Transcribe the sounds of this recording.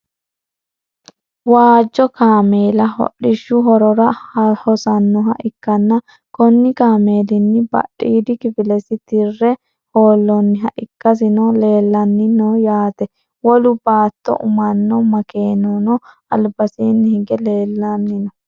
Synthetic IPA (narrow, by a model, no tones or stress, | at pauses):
waːd͡ʒːɔkaːmeːlɐhɔ̰ɗɪʃːʊɦɔɾɔɾɐhɔsɐnːɔɦɐʔɪkːɐnːɐ | kɔnːɪkaːmeːlɪnːɪbɐ̰ɗːiːd̪ɪkɪfɪlɛsɪt̪ɪrːɛ | hoːlːɔnːɪɦɐʔɪkːɐs̬ɪnɔle̞ːlːɐnːɪnoːjaːt̪ɛ | wɔlʊbaːt̪ːɔ̰ʔʊmɐnːɔmɐkeːnoːnɔ | ɐ̰lbɐseːnːɪhɪɡɛleːlːɐnːɪnɔ